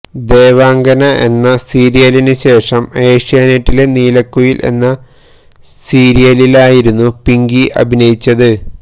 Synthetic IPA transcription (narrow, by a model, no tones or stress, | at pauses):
d̪e̞ːʋaːŋɡɐnɐʔe̞nːɐsiːɾijɐlinɨɕe̞ːʂɐme̞ːʂijaːneʈːile̞niːlɐkːujilʔe̞̰nːɐ | siːɾijɐlilaːjiɾunːupiŋɡiʔɐ̰bʱinɐjit͡ɕːɐðɨ